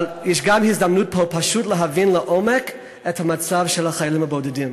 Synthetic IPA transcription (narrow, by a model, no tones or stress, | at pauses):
ljɛʃɡamhizdamnut̚pʰopʰaʃutləɦavinləʔomɛk | ɛthamat͡savʃɛlhaχajalˠimabodɛdim